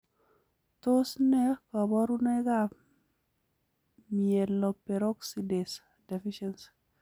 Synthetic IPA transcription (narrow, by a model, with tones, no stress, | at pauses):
to˦snɛ˦kɔ˨bɔ˦ɾu˦ne˦ka | miɛ˨lːɔ˨pe˨ɾo˦kside˨s | de˨fiʃɛns